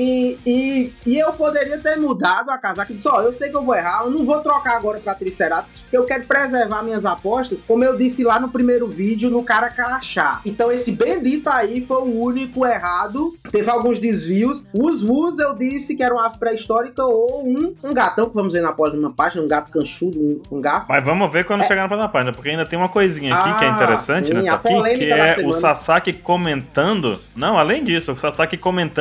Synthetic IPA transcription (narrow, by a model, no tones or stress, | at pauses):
iiːewpod̪eɾiɐt̪eɾmud̪ad̪ʊakazɐakɪid̪isɔewsejkɪewvoɛɦaenɐ̃w̃vot̪ɾɔkaaɡɔɾɐpɾat̪ɾisɛɾad̪ɐpo̥keewkɛɾʊpɾɛzɛɾvaɾmĩɲɐzapɔʃt̪ɐskõmʊewd̪isɪlanʊpɾimejɾʊvid͡ʒjʊnʊkaɾɐkaɾaʃa̰ẽt̪ɐ̃w̃esɪbẽj̃d̪it̪ʊaifojuũnikʊɛɦad̪ʊt̪evɪawɡũzd̪izviʊsʊzvuzewd̪isɪkɪɛɾɐũmɐpɾɛist̪ɔɾikɐoũũɡat̪ɐ̃w̃kɪvɐ̃mʊzveɾnapɔsmɐpaʒinɐũɡat̪ʊ̥kɐ̃ʃud̪ʊũũɡafmavɐ̃mʊveɾkwɐ̃nd̪ʊʃeɡanɐplɐ̃ɐpaʒinɐpoɾkeaĩd̪t̪ẽj̃ũmɐkojzĩɲɐakikɪɛĩeɾesɐ̃t͡ʃɪnɛsaapoĩlẽmkiɪkɐɛaɛʊsasakɪkomẽnt̪ɐ̃nd̪ʊ̰nɐ̃w̃alẽj̃d͡ʒisʊʊsasakɪkõmẽnt̪